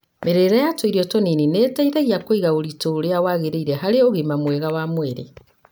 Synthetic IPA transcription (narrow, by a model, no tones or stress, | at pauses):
meɾeɾajatweiɾiɔtɔninineːtaiðaɣiakoiɣaoɾitoːɾeawaɣeɾeiɾɛɦaɾeoɣemamwɛɣawamweɾḛ